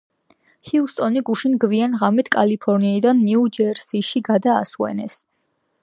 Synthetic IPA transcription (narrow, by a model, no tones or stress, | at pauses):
hiust̪ʼɔniɡuʃinɡvianʁamit̪ʰkʼalipʰɔɾniːd̪anːiud͡ʒɛɾsiʃiɡad̪aːswɛ̰nɛs